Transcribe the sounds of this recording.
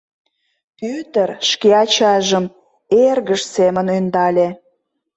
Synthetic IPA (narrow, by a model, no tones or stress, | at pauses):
pyt̪ərʃkeɑt͡ɕɑʒəm | erɣəʃsemənønd̪ɑlʲe